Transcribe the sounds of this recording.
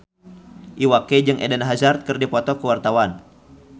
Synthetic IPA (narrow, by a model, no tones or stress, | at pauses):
ʔiwakɛd͡ʒɨŋʔɛ̰dɛnaɦazart̪̚kɨrdipɔt̪ɔkəwart̪awan